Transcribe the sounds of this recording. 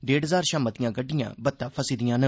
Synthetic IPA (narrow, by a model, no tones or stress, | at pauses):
ɖeːɖɦəzaːɾʃaːmət̪ɪjãːɡəɖːɪjã̰ːbət̪ːãːpʰəsiːd̪ɪjãːnə